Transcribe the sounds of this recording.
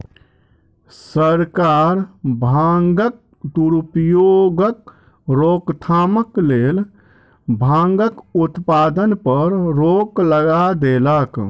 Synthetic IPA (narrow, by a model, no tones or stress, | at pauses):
səɾkaɾbʱaŋɡək̚ | d̪uɾupjoɡək | ɾokt̪ʰaməklel | bʱãŋɡəkut̪pad̪ənpəɾɾokləɡad̪elək